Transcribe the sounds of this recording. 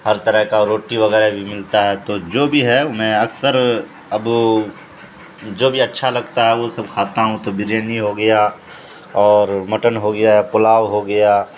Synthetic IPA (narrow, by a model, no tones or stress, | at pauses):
hɐɾt̪ɐɾəɦkaɾoːʈiʋɐɣɛːɾɦebʱimɪlt̪aɦɛt̪oːd͡ʒoːbʱiɦɛʊmɛ̃ɐksəɾ | ɐb | d͡ʒoːbʱiɐtːʃʰalɐɡt̪aɦɛʋosɐb̚kʰaːt̪aɦũt̪obɪɾeːniɦoɡɐja | ɔːɾmɐʈənɦoɡɐjaɦɛpʊlaːʋɦoɡɐjaː